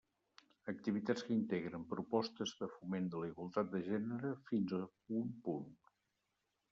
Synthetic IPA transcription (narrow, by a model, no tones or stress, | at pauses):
ək̚t̪iβit̪at͡skəint̪eɣɾəmpɾupɔst̪əzðəfumend̪ələiɣwəlˠt̪at̪̚d̪əʒɛnəɾəfinzə | umpun